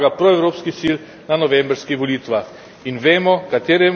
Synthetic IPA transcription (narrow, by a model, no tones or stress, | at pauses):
ɡapɾɔɛwɾoːpskisil | nanɔʋembɾskixʋɔliːt̪ʋax | inʋeːmɔkat̪eːɾɛ